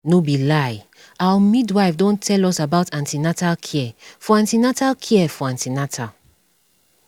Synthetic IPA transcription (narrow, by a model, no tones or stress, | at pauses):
nobilaj | awəmidwaɪfdõntʰɛlɔsabaʊtãntinatalkʰiɛfɔãntinatalkʰiɛfɔãntinatʰa